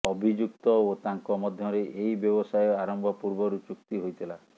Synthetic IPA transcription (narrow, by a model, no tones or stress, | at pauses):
ɔbʱid͡ʒuk̚t̪ɔot̪aŋkɔmɔd̪ʱjɔɾeʔeibjɔbɔsajɔaɾɔmbʱɔpuɾbɔɾut͡ʃukt̪iɦojt̪ʰila